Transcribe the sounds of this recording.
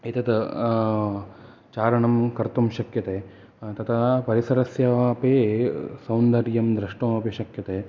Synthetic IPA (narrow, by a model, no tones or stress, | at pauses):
it̪ɐd̪ɐ | t͡ʃaːɾɐɳɐmkɐɾt̪umʃɐkjɐt̪eː | t̪ɐt̪ʰapɐɾisɐɾɐsjɐpeːsɐwnd̪ɐɾjɐmd̪ɾɐʂʈɐɐpiʃɐkjɐt̪eː